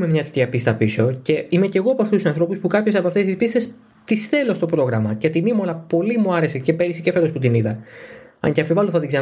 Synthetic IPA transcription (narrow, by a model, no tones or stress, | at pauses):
memɲɐt̪et̪çɐpist̪ɐpiso̞ce̞ime̞ce̞ɣoɐpoɐft̪ust̪usɐnθɾo̞puspukɐpço̞sɐpoɐft̪e̞st̪ispist̪es | t̪isθe̞lo̞st̪o̞pɾo̞ɣɾɐmɐcet̪inimɐlɐpo̞limuɐɾe̞sece̞peɾisicefe̞ɾosput̪iniðɐnɐ̰ɲcɐfivɐloθɐt̪iɡzɐ